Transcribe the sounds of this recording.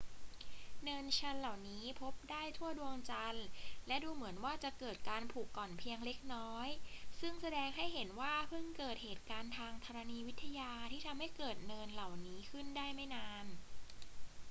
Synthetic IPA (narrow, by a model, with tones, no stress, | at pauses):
nɤː˧nt͡ɕʰa˧nla˨˩wniː˦˥pʰo˦˥p̚daː˥˩jt̪ʰu˥˩ɐdu˧əŋt͡ɕa˧nlɛ˦˥duː˧mɯ˩˦ənwaː˥˩t͡ɕa˨˩ʔkɤː˨˩t̪̚kaː˧npʰuː˨˩kːɔː˨˩npʰi˧əŋle˦˥k̚nɔː˦˥jsɯ˥˩ŋsa˧dɛː˧ŋɦa˥˩jɦe˩˦nwaː˥˩pʰɯ˥˩ŋkɤː˨˩t̪̚heː˨˩t̪̚kaː˧nt̪ʰaː˧ŋt̪ʰa˧ɾa˧niː˧wi˦˥t̪ʰːa˧jaː˧t̪ʰiː˥˩t̪ʰa˧mha˥˩jkɤː˨˩t̪̚nɤː˧nla˨˩wniː˦˥kʰɯ˥˩ndaː˥˩jma˥˩jnaː˧n